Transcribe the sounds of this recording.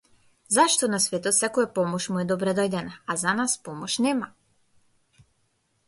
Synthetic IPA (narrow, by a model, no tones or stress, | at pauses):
zaʃt̪ɔnasvɛt̪ɔt̪sɛkɔjapɔmɔʃmuɛd̪ɔbɾɛd̪ɔjd̪ɛnaazanaspɔmɔʃnɛma